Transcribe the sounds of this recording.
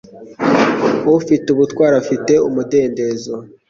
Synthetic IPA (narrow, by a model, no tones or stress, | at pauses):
uufituβutwaːɾafite̞umude̞ːndezo